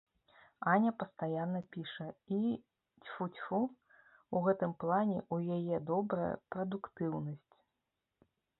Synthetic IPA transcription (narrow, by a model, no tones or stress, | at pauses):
anʲɐpɐst̪ajanːɐpʲiʂɐi | t͡sʲfut͡sʲfu | uɣɛt̪ɨmplˠanʲɛʔujajɛd̪ɔbɾɐjɐ̰pɾɐd̪ukt̪ɨwnɐsʲt͡sʲ